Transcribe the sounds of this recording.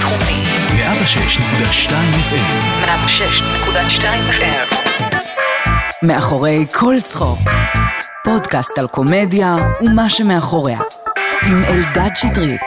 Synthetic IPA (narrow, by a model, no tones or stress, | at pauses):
t̪χumim | meʔavaʃeʃnekud̪aʃtajmefelmeʔabaʃeʃnekud̪aʃtajimaχe | me̞aχo̞ʁe̞jkʰo̞lt͡sχo̰ʁ | po̞dkastalko̞medjaumaʃemeaχo̞ʁeha̰imeldadt͡ʃitʁit